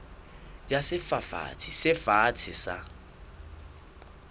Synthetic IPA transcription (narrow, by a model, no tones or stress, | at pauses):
jasɪfafa̰t͡sʰɪsɪfat͡sʰɪsa